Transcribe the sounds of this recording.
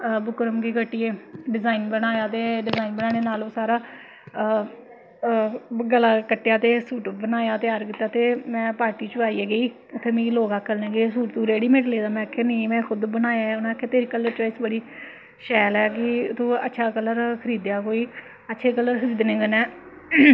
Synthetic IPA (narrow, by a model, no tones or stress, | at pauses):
bʊkɾəmkiːkəʈːiːeːɖɪzaːinbənaːjaːt̪eːɖɪzaːinbənaːɽeːnaːloːsaːɾaː | ɡəlaːkəʈːjaːt̪eːsuːʈbənaːjaːt̪ɪjaːɾkɪt̪ːaːt̪eːmɛ̃ːpaːɾʈiːt͡ʃʊʋaːiːeːɡəiː | ʊt̪ʰːeːmĩloːɡaːkʰːəlneːɡəːes̬uːʈt̪ũːɾeːɽiːmẽːʈleːd̪aːmɛ̃ːəkʰːeːnĩːmɛ̃ːkʰʊd̪bənaːjaːʊnãːkʰːeːt̪eːɾiːkəlːəɾʈaːsbəɽiː | ʃɛːlɛːkɪt̪ʰõːə̰tːʃʰaːkəlːəɾkʰəɾiːd̪jaːkoːiː | ətːʃʰeːkəlːəɾxəɾiːd̪nẽːɡənɛː